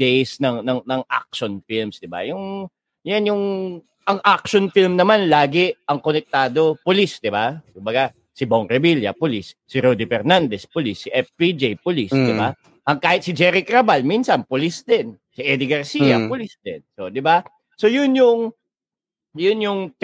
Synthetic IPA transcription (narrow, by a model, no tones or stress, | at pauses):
d̪ɛjsnɐŋnɐŋnɐŋʔa̰k̚ʃonfilmsd̪ɪba̰jʊŋ | janjʊŋ | ʔɐŋʔak̚ʃonfilmnɐmanlaːɡɪʔɐŋkonɛk̚t̪aːd̪o̞pʊlisd̪ɪbakʊmbɐɡa | sɪboŋɾɛbiljɐ̰polisːɪɾod̪ɪfɛɾnand̪ɛspolisːiʔɛfpid͡ʒijpʊlisd̪ɪba | ʔɐŋkaːhɪt̪̚sɪd͡ʒɛːɾɪkɾɐbalminsɐnpʊlisd̪ɪn | siʔɛd̪ɪɡɐɾsiːjɐpʊlisd̪ɛnsod̪ɪba | so̞jʊnjʊŋ | jʊnjʊŋ